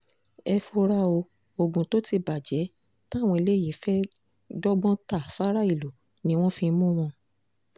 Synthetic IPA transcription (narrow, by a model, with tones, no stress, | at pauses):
ɛ˧fo˧ɾa˦o˧ | o˧ɡũ˨to˨˦ti˧ba˨d͡ʒɛ˨˦ | ta˦˨w̃ɔ̃˧i˧le˦˨i˨˦fɛ˦ | dɔ˦ɡ͡bɔ̃˦ta˦˨fa˦ɾa˦i˦˨lo˨˦ | nĩ˦w̃ɔ̃˦fĩ˧˦mũ˦w̃ɔ̃˧